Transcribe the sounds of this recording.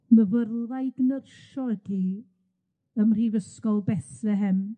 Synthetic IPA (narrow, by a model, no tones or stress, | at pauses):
məvərlˠvajɡnərʃɔədi | əmr̥ivəskɔlˠbɛθɛɦɛn